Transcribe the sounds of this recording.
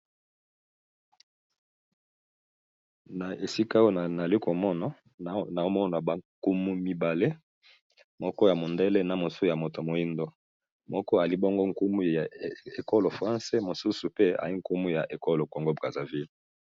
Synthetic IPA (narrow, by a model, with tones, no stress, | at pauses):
na˨e˨si˦ka˦o˦˨na˨li˦ko˨mɔ˦na˦˨ | na˨o˦mɔ˦na˨ba˨ku˦mu˦mi˦ba˨le˦ | mɔ˦kɔ˦ja˨mo˨nde˦le˦na˨mo˨su˦ja˨mo˨to˨mo˨i˦ndo˦ | mɔ˦kɔ˦a˨li˦bo˦ŋɡo˦ŋ̩˨ku˦mu˦˨e˨ko˦lo˨fʁã˦se˦mo˨su˦su˨pe˦a̰˨i˦ŋ̩˦ku˦mu˦ja̰˨ʔe˨ko˦lo˨ko˨ŋɡo˦bʁa˨za˨vi˦l